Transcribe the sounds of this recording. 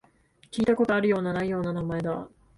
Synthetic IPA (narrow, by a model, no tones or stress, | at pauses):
kʲiːt̪ako̞t̪o̞aɾɯ̟jo̞ːnanaijo̞ːnanamae̞d̪a